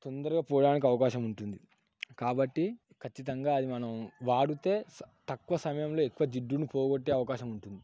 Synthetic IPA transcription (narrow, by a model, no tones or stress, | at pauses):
t̪ond̪ɐɾuɡaːpɔːɽaːnik̬iɐʋɐkaːʃɐmuɳʈund̪i | kaːbɐʈːi | kʰɐt͡ʃːit̪ɐŋɡaːɐd̪imɐnɐmʋaːɽut̪e̞ːt̪ɐkːʋɐsɐmɐjɐmlo̞ːekːuʋɐd͡ʒiɖːunipoːɡoʈːe̞ːɐʋɐkaːʃɐmuɳʈund̪i